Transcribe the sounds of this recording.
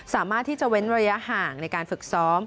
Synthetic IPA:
saː˩˦maː˥˩t̪ʰːiː˥˩t͡ɕa˨˩ʔwe˦˥nɾa˧ɾa˧ja˦˥ʔhaː˨˩ŋna˧jkaː˧nfɯ˨˩k̚sɔː˦˥m

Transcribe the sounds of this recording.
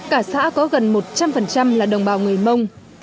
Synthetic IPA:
kaː˧˩sa̰ː˧˥kɔ˨˦ɣə˨˩nmo˨˩t̚t͡ɕa˧mfə˨˩nt͡ɕa˧mlaː˨˩ɗə˨˩wŋ͡mɓaː˧˩wŋɨ˨˩əjmə˧wŋ͡m

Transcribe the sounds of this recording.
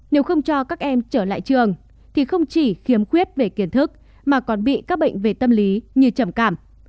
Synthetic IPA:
ne˨˦wxə˧wŋ͡mt͡ɕɔ˧kaː˦˥k̚ʔɛ˧mt͡ɕəː˧˩la̰ː˧˨jt͡ɕɨ˨˩əŋ | t̪ʰi˨˩xə˧wŋ͡mt͡ɕi˧˩xi˨˦əmxwi˦˥ət̚ve˨˩ki˨˦ənt̪ʰɨ˦˥k̚ | maː˨˩kɔ˨˩nɓḭ˧˨kaː˦˥k̚ɓə̰˧˨ŋ̟ve˨˩t̪ə˧mli˨˦ɲɨ˧t͡ɕə˧˩mkaː˧˩m

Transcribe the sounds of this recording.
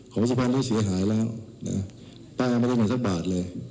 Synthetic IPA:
kʰɔ˨˦ŋs̬u˧˩pʰa˧nd̪ʰa˥˩jsi˨˦ɐɦaː˩˦jlɛː˦˥˩wna̰˦˥ | paː˧m˧˥˨da˥˩maː˨˩sa˧˥k̚baː˨˩t̪̚lɤː˧j

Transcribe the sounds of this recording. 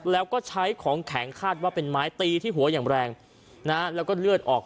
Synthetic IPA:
lɛː˦˥wkɔː˥˩t͡ɕʰa˦˥jkʰɔː˩˦ŋkʰɛ˩˦ŋkʰaː˥˩t̪̚waː˥˩pe˧nmaː˦˥jt̪iː˧t̪ʰiː˥˩ɦu˩˦ɐjaː˨˩ŋɾɛː˧ŋ | na˦˥lɛː˦˥wkɔː˥˩lɯ˥˩ət̪̚ʔɔː˨˩k̚

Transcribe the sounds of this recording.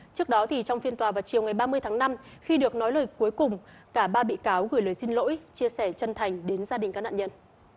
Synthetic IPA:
t͡ɕɨ˦˥ək̚ɗɔ˨˦t̪ʰi˨˩t͡ɕɔ˧wŋ͡mfi˧ənt̪waː˨˩vaː˨˩wt͡ɕi˨˩əwŋa˨˩jɓaː˧mɨ˧əjt̪ʰaː˨˦ŋna˧m | xi˧ɗɨ˨˩ək̚nɔ˨˦jləː˨˩jku˨˦jkʊ˨˩ŋ͡m | kaː˧˩ɓaː˧ɓḭ˧˨kaː˨˦wɣɨ˧˩jləː˨˩jsi˧nlo̰˧˥jt͡ɕi˧əsɛ˧˩t͡ɕə˧nt̪ʰa˨˩jŋ̟ɗe˨˦nzaː˧ɗï˨˩ŋ̟kaː˦˥na̰ː˧˨ɲə˧n

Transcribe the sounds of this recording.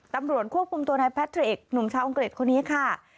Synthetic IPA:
t̪a˧mɾu˨˩ət̪̚kʰu˥˩əp̚kʰu˧mt̪u˧na˧jpʰɛ˦˥t̪ʰːɾi˨˩k̚nu˨˩mt͡ɕʰaː˧wʔo˧ŋkɾi˨˩t̪̚kʰo˧nːiː˦˥kʰa˥˩

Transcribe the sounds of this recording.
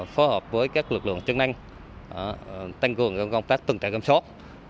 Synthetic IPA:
fo˨˦jhəː˨˩p̚vəː˨˦jkaː˦˥k̚lɨ˨˩k̚lɨ̰˧˨əŋt͡ɕɨ˨˦ŋna˧jŋ̟˨˦ | t̪ʰa˧jŋ̟kɨ˨˩əŋt͡ɕɔ˧ŋ͡mkə˧wŋ͡mt̪aː˦˥k̚t̪ɨ˨˩ŋt̪a̰˨˧˩kə˧˩ŋ͡msɔ˦˥t̚

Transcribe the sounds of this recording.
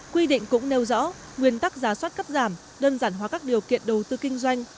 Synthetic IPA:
kwi˧ɗḭ̈˧˨ŋ̟kʊ̰˧˥ŋ͡mne˧wzɔ̰˧˥ | ŋwi˨˩ənt̪a˦˥k̚zaː˨˦swa˦˥t̚kə˦˥p̚zaː˧˩m | ɗəː˧nzaː˧˩nɦwaː˨˩kaː˦˥k̚ɗi˨˩əwkḭ˧˨ənɗə˨˩wt̪ɨ˧kï˧ŋ̟zwa˧jŋ̟

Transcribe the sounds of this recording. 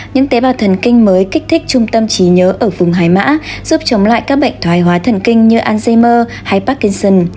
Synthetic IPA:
ɲɨ̰˧˥ŋt̪e˨˦vaː˨˩wt̪ʰə˨˩nkï˧ŋ̟məː˨˦jki˦˥k̚t̪ʰï˦˥k̟̚t͡ɕʊ˧ŋ͡mt̪ə˧mt͡ɕi˨˦ɲəː˨˦ʔəː˧˩vʊ˨˩ŋ͡mɦaː˨˩jma̰ː˧˥z̥u˦˥p̚t͡ɕə˨˦wŋ͡mla̰ː˧˨jkaː˦˥k̚ɓə̰˧˨jŋ̟t̪ʰwaː˨˦jɦwaː˨˦t̪ʰə˨˩nkï˧ŋ̟ɲɨ˧ʔaː˧nze˧məː˧ | ha˧jpaː˦˥kːi˧nsə˧n

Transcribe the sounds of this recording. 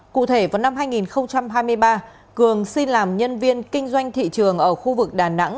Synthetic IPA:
kṵ˧˨t̪ʰe˧˩vaː˨˩wna˧mɦaː˧jŋi˨˩nxə˧wŋ͡mt͡ɕa˧mɦaː˧jmɨ˧əjɓaː˧ | kɨ˨˩əŋsi˧nlaː˨˩mɲə˧nvi˧ənkï˧ŋ̟zwa˧jŋ̟t̪ʰḭ˧˨t͡ɕɨ˨˩əŋʔəː˧˩xu˧vɨ˨˩k̚ɗaː˨˩na̰˧˥ŋ

